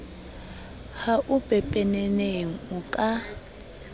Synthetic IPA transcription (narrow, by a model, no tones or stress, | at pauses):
haʔʊpʼɛpʼɛnɛneŋ̩ʊkʼa